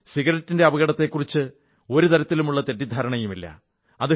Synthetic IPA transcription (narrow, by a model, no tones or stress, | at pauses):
siɣɐɾɐtːinde̞ɐbɐɣɐɽɐt̪ːe̞kːurit͡ɕːɨ | o̞ɾut̪ɐɾɐt̪ːilumuɭːɐt̪e̞tːid̪ʱaːɾɐɳɐjumilːɐ̰ | ɐðɨ